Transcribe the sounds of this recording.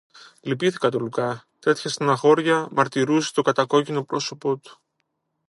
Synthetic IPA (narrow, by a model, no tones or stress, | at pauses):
lipiθi̥kɐt̪olukɐt̪e̞t̪çɐst̪ɐnɐxo̞ɾʝɐmɐɾt̪iɾuse̥t̪o̞kɐt̪ɐko̞cino̞pɾo̞so̞po̞t̪u̥